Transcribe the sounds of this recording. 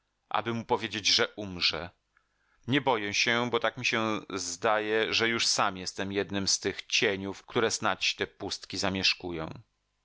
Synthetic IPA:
ʔa̰bɘmupɔvʲjed͡ʑed͡ʑʐɛʔumʐɛ̰ | ɲɛbɔjɛɕɛbɔt̪akmʲiɕɛzd̪ajɛʐɛjuʂsamjɛst̪ɛmjɛd̪nɘmst̪ɘxt͡ɕeɲufkt̪uɾɛsnat͡ɕt̪ɛpust̪kʲizamʲjɛʂkujɔ̰̃w̃

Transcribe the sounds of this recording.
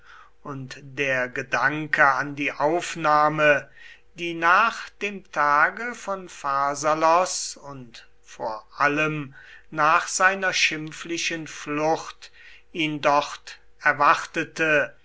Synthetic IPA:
ʊntd̥eːɐɡədaŋkʰəandiːʔaʊfnaːmə | d̥iːnaːχd̥eːmtʰaːɡəfɔnfazalɔsʊnt | foːɐʔaləmnaːχz̥aɪnɐʃɪmflɪʃənflʊχt | iːndɔχt | ɛɐvaχtətə

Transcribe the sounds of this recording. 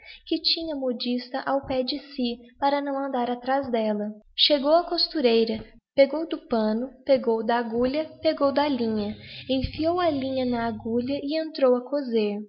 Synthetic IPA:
kɪt͡ʃĩɲɐmod͡ʒist̪ɐʔawpɛd͡ʒɪsɪpaɾɐnɐ̃w̃ɐ̃nd̪aɾat̪ɾazd̪ɛlɐʃeɡowɐkost̪uɾejɾɐ | peɡowd̪ʊpɐ̃nʊpeɡowd̪ɐaɡuʎɐpeɡowd̪ɐlĩɲɐẽfiowɐlĩɲɐnɐːɡuʎɐʔɪẽnt̪ɾowɐkʰozeɾ

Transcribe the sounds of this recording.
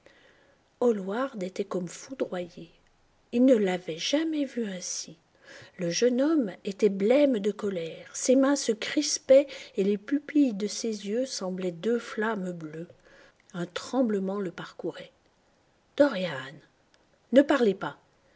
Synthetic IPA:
ɔlwaʁd̪et̪ɛkɔmfud̪ʁwaje | ilnəlavɛʒamɛvyɛ̃si | ləʒənɔmet̪ɛblɛmd̪əkɔlɛʁsemɛ̃səkχispɛelepypijd̪əsezjøsɑ̃blɛd̪øflamblø | ɛ̃t̪χɑ̃bləmɑ̃ləpaʁkuʁɛ | d̪̥ɔʁjanː | əpaʁlɛpa

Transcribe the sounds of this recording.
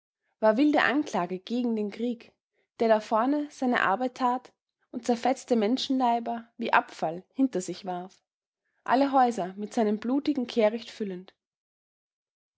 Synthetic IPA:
v̥aːɐvɪldə̰ʔa̰nkl̥aːɡəɡ̥eːɡŋ̩deːnkʁ̥iːk | d̥eːɐɾafɔɐnəz̥aɪnə̰ʔa̰ɐbaɪtʰːaːt | ʊnt̚t͡sɛɐfɛt͡stəmɛnʃn̩laɪbɐviːʔa̰pfalhɪntɐzɪçv̥aɐf | ʔa̰ləɦɔʏzɐmɪtz̥aɪnəmbluːtɪɡŋ̩kʰeːɐʁɪçtfʏlənt

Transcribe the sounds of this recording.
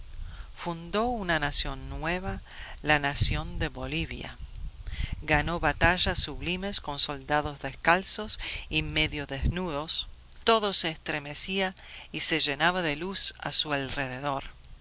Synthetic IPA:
fund̪o̞unanasjo̞nːweβalanasjo̞nd̪eβoliβja̰ | ɡano̞βat̪aʒasːuβlimesko̞nso̞ld̪aðozðeskalsosimeðjoðeznuð̞o̞st̪oðoseːst̪ɾemesiaise̞ʒe̞naβaðelusa̰sualreðeðo̞ɾ

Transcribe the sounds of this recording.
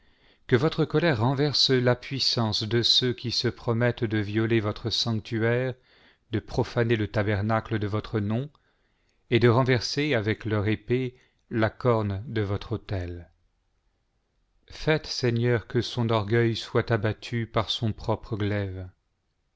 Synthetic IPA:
kəvɔt̪χəkɔlɛʁːɑ̃vɛʁslapɥisɑ̃sd̪əsøkʲisəpχɔmɛt̪d̪əvjɔlevɔt̪χəsɑ̃k̚t̪yɛʁ | d̪əpχɔfanelət̪abɛʁnakləd̪əvɔt̪χənɔ̃ | ed̪əʁɑ̃vɛʁseavɛklœʁepe | lakɔʁnd̪əvɔt̪χot̪ɛl | fɛt̪sɛɲœʁkəsɔ̃nɔʁɡœjswat̪abat̪ʰypaʁsɔ̃pχɔpχəɡlɛv

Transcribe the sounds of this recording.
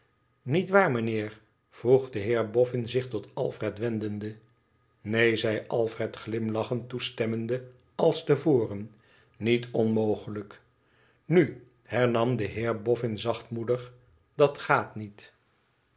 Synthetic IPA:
nitʋaːɹmənɪːɹ | v̥ruχdəɦɪːɹbɔfɪnzɪχtɔtɑ̰lˠfrɛtʋɛndəndə | nejzɛjʔɑlˠfrɛtχlɪmlɑχəntustɛməndə | ɑlˠstəvoːrən | nitʰɔnmowχələk | ny | hɛɹnɑmdəɦɪːɹbɔfɪnzɑχtmudəχ | d̥ɑtχaːtnit

